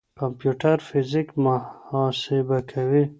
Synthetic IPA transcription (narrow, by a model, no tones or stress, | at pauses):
kampjuʈaɾfɪzɪkmʊɑsɪbakʰawi